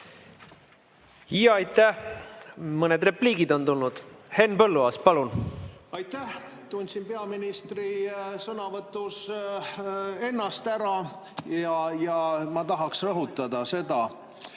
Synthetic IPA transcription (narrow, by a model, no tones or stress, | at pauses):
ijɑɑjt̪ːæh | mɤned̪re̞pliːɡid̪o̞nt̪ulnud̪̥he̞nːpɤlːuɑːspɑlunɑjt̪ːˑæh | t̪unʲsinpe̞ɑminist̪risɤnɑvɤt̪ːˑus | e̞nːɑst̪æɾɑ | jɑjɑmɑt̪ɑɦɑksrɤɦut̪ːˑɑd̪̥ɑse̞d̪̥ɑ